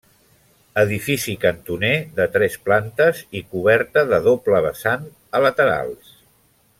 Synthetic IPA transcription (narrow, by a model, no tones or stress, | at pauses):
əðifisikənt̪uneðət̪ɾɛsplant̪əzikuβ̞ɛɾt̪əðəðopləβ̞əsan | ələt̪əɾa̰lˠs